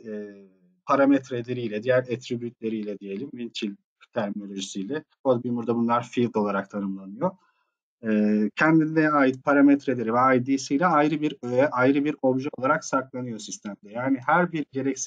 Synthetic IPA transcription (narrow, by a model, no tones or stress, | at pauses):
ɛː | pʰaɾamɛt̪ɾed̪eɾijlʲɛd̪ijæɾet̪ɾibyjyt̪lʲe̞ɾijlʲɛd̪ije̞lʲimvint͡ʃʰilʲ | t̪ʰæɾmino̞lʲo̞ʒisijlʲɛbobimuɾd̪abunlˠaɾfilʲd̪o̞lˠaɾak̚t̪ʰanɯmlˠanɯjo | ɯːcʰænd̪inlɛɛaːjɯt̪̚pʰaɾamɛt̪ɾed̪eɾivɛajd̪iːsijlʲɛajɾɯbiɾʔajɾɯbiɾo̞bʒɛo̞lˠaɾaksaɾklˠanɯjo̞sist̪ʰæmd̪ɛjaːnihæɾbiɾɟe̞ɾɛcsi